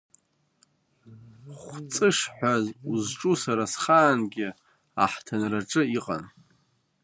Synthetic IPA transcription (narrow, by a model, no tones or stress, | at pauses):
χʷt͡sʼɨʂħʷazuzʈ͡ʂʼusaɾasχaːnɡʲɪ | aħtʰanraʈ͡ʂʼɨiqʼa̰n